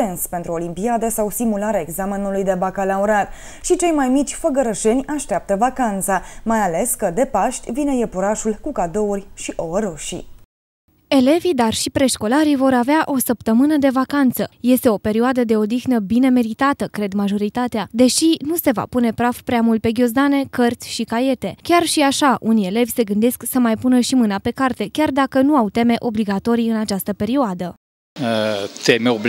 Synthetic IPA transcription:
enspe̞nt̪ɾuo̞limpiad̪əsawsimulaɾeaeɡzame̞nulujd̪e̞bakalauɾat̪ | ʃit͡ʃe̞jmajmit͡ʃʲfəɡəɾəʃe̞nʲaʃt̪eap̚t̪əvakant̪samajale̞skəd̪e̞paʃt̪ʲvine̞jepuɾaʃulkukad̪o̞urʲʃiʔoəɾo̞ʃḭ | e̞le̞vid̪arʃipɾe̞ʃko̞laɾivo̞ɾaveaʔo̞səpt̪əmɨnəd̪e̞vakant̪səje̞st̪e̞o̞pe̞ɾioad̪əd̪e̞o̞d̪ixnəbine̞me̞ɾit̪at̪əkɾe̞d̪maʒo̞ɾit̪at̪ead̪e̞ʃinuse̞va̰pune̞pɾafpɾeamult̪̚pe̞ɡʲo̞zd̪ane̞kərt̪sʲʃikaje̞t̪e̞kʲarʃiaʃaʔunije̞le̞vʲse̞ɡɨnd̪e̞sksəmajpunəʃimɨnape̞kart̪e̞kʲard̪akənuawt̪e̞me̞ʔo̞bliɡat̪o̞ɾiɨnat͡ʃast̪əpe̞ɾioad̪ə | ət̪emeob

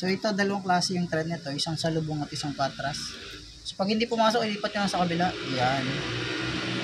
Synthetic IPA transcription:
so̞ʔɛt̪o̞d̪ɐlɐwaŋklaːsɛjʊŋt̪ɾɛd̪̚nɐt̪o̞ʔɪsaŋsɐlʊboŋɐt̪̚ʔɪsaŋkwaɾt̪ɾɐs | opɐɡ̚hɪnd̪iːpʊmaːsok̚ʔɪliːpɐt̪ɲolɐŋsɐkɐbɪlajan

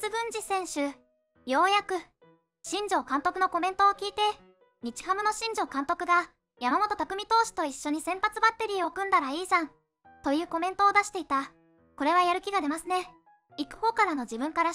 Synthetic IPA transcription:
t͡sɨbɯ̟̃ɲ̟d͡ʑisẽ̞ɰ̃ɕɨ | jo̞ːjakɯ̟ | ɕĩɲ̟d͡ʑo̞ːkãnt̪o̞kɯ̟no̞ko̞mẽ̞nt̪o̞ːkʲiːt̪e̞ | ɲ̟it͡ɕi̥ɦamɯ̟noɕĩɲ̟d͡ʑo̞ːkãnt̪o̞kɯ̟ɡa | jamamo̞t̪o̞t̪akɯ̟mʲit̪o̞ːɕi̥t̪o̞iɕːo̞ɲ̟isẽ̞mpat͡sɨbat̪ːe̞ɾʲiːo̞kɯ̟̃nd̪aɾaiːʑãn | t̪o̞jɯ̟ːko̞mẽ̞nt̪o̞ːd̪aɕi̥t̪e̞it̪a | ko̞ɾe̞β̞ajaɾɯ̟kʲiɡad̪e̞masɨne̞ | ikɯ̟̥ho̞ːkaɾano̞d͡ʑibɯ̟̃ŋkaɾa

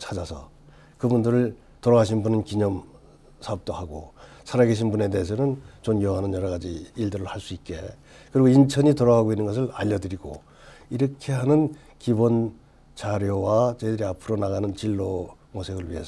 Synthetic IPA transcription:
t͡ɕʰad͡ʑasʰʌ̰ | kɯbundɯɾɯɭ | toɾʌɡaɕ̬ʰinbunɯnkiɲʌm | sʰaʌp̚t͈ohaɡosʰaɾaɡe̞ɕ̬ʰinbune̞de̞ɦes̬ʰʌnɯnt͡ɕomjʌɦanɯnjʌɾʌɣad͡ʑiiɭdɯɾɯɭhaɭs͈uit̚k͈e̞ | kɯɾiɡoint͡ɕʰʌɲitoɾʌɡaɡoinːɯnɡʌs̬ʰɯɭaʎːʌdɯɾiɡo̰ | iɾʌkʰe̞ɦanɯn | kibon | t͡ɕaɾjowat͡ɕedɯɾiapʰɯɾonaɣanɯnt͡ɕiɭːo | mosʰeɡɯɭɥiɦe̞s

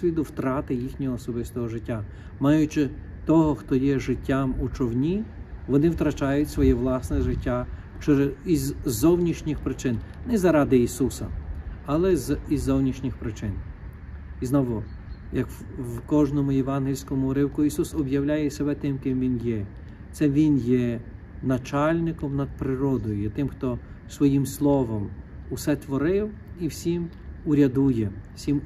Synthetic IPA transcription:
sʋʲid̪ʊwt̪ɾɑt̪ɪjixnʲɔɦɔːsɔbɪst̪ɔɦɔʒɪtʲːa | mɑjʊt͡ʃɪ | t̪ɔɦɔxt̪ɔjɛʒɪtʲːamut͡ʃɔwnʲiʋɔnɪwt̪ɾɐt͡ʃɑjʊtʲsʋɔjɛʋlˠɑsnɛʒɪtʲːa | t͡ʃɛɾizːɔwnʲiʃnʲɪxpɾɪt͡ʃɪnnɛzɐɾɑd̪ɪisusɐ̰ɐlˠɛzizːɔwnʲiʃnʲɪxpɾɪt͡ʃɪn | iznɔʋʊjɐk | wkɔʒnɔmʊjɛʋɑnɦɪlʲsʲkɔmʊɾɪwkʊisusɔbjɐwlʲajɛsʲebɛt̪ɪmkɪmʋʲinjɛ | t̪sɛʋʲinjɛ | nɐt͡ʃɑlʲnɪkɔmnɐd̪̚pɾɪɾɔd̪ɔjʊjɛt̪ɪmxt̪ɔ | sʋɔjimslˠɔʋɔm | usɛt̪ʋɔɾɪw | iwsʲim | ʊɾʲɐd̪ujɛsʲim

